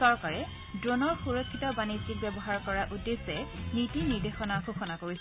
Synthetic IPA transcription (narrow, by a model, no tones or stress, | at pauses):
sɔɹkaɹɛ | dɹonɔɹxuɹokʰːitɔbanizik̚bɛbɔɦaɹkɔɹaʔudesɛnitiniɹdexɔnaxoxɔnakoɹis